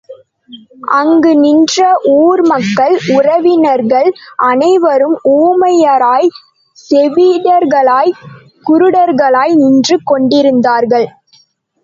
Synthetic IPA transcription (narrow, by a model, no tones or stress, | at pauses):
ʔɐŋɡɯnɪndrɐʔuːɾmɐkːɐɭʊrɐʋɪnɐɾɣɐɭʔɐnɐɪʋɐɾɯmuːmɐjɐɾaːj | sɛʋiɽɐɾɣɐɭaːj | kʊɾɯɽɐɾɣɐɭaːjnɪndrɯkɔɳɖɪɾɯnd̪aːɾɣɐɭ